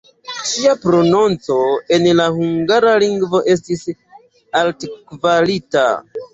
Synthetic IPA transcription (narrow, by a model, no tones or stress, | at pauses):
t͡ʃiapɾo̞nont͡so̞e̞nlahuŋɡaɾaliŋɡvo̞ʔe̞stis | altkvalita̰